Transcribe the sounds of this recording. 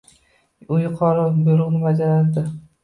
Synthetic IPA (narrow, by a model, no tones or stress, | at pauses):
ʊjʊqʰɒɾɪbʊjɾʊqnɪbad͡ʒaland̪ɪ